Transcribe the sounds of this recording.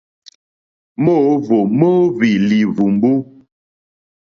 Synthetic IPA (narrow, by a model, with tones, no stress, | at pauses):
mo˦˨˦vo˨mo˦vi˨li˨vu˨m˦bu˦